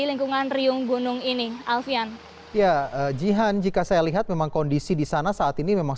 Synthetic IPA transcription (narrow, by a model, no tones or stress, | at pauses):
iliŋkuŋanriʊŋɡunʊŋinialfian | jaəːd͡ʒiɦand͡ʒikasajaliɦat̪̚memaŋkɔndisidisanasaːt̪inimemaŋ